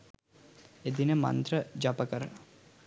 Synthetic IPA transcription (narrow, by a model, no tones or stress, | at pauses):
ed̪inemɐ̰nt̪ɾəd͡ʒapəkəɾ